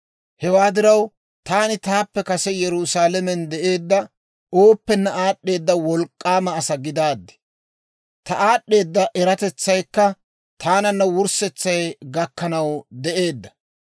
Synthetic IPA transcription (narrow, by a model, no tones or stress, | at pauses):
hɛwaːd̪ɪɾɐw | t̪aːnɪt̪aːpːɛkɐsɛjɛɾʊsaːlɛmɛnd̪ɛʔe̞ːd̪ːɐ | oːpːɛnːɐʔaːɗːe̞ːd̪ːɐwɔlkʼːaːmɐːsɐɡɪd̪aːd̪ːɪ̥ | t̪ɐʔaːɗːe̞ːd̪ːɐʔɛɾɐt̪ɛt͡sːɐjkːɐ | t̪ʰaːnɐnːɐwʊɾsɛt͡sːɐjɡɐkːɐnɐwd̪ɛʔe̞ːd̪ːɐ̥